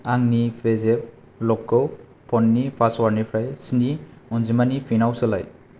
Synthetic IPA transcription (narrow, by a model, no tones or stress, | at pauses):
aŋnipʰezep̚ | lɔkːɔw | pʰɔnːipʰastwaɾnipʰɾajsiniɔnzimanipʰinawselaj